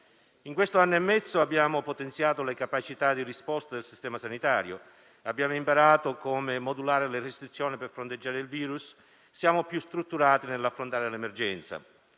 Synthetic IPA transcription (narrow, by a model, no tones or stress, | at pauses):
iŋkwest̪oanːoemːɛt̪sːoabːjaːmopot̪ent̪sjaːt̪olekapat͡ʃit̪ad̪irispɔst̪ad̪elsist̪ɛːmasanit̪aːɾjo̰ | abːjaːmoimpaɾaːt̪okoːmɪmod̪ulaːɾelɪrest̪ɾit̪sːjɔːniperfɾont̪ed͡ʒːaːɾeilviːɾusː | jaːmopjust̪ɾut̪ːuɾaːt̪inelːafɾont̪aːɾelemerd͡ʒɛnt̪sa̰